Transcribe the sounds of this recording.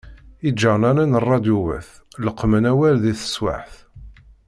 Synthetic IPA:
id͡ʒːəʁnænænərˤːɑd̪juwæ̰θləqːmənæwælðiθə̥swa̰ħθ

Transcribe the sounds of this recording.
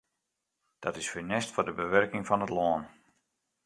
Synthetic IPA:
d̥ɔtɪsfənɛstfoːrdəbəʋørkɪŋfɔnətlɔːn

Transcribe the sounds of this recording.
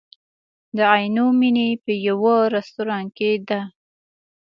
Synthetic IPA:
d̪əajnominepəjawəɾast̪uɾɑnked̪a

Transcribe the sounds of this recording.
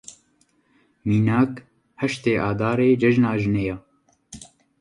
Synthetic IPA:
miːnaːk | hɛʃt̪eːʔaːd̪aːɾeːd͡ʒɛʒnaːʒɨnejaː

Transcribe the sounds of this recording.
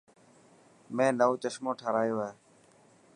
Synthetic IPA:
mẽːnəõːt͡ʃəʃmõːʈʰəɾaːjoːɦeː

